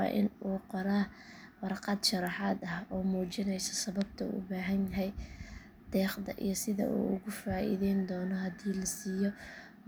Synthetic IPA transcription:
ɑ̰ːʔɪ̰nuːqɔɾaː | wɑrqɑd̪ʃɑɾɑħaːd̪ɐhɔːmuːt͡ʃɪnɛjsɐ̥sɐβɐb̚t̪ʰɐṵːʊ̰baːɦɐnjɐɦɛj | d̪̥ɛːqd̪ɐ̰ʔḭjɔsɪðɐ̰ʔṵːʊɣʊfaːʔḭðɛjnd̪ɔːnɔhɐd̪iːlɐsiːjɔ

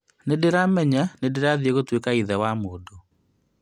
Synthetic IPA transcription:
nedeɾamɛɲanedeɾaðieɣotwekaiðɛwamoːdo

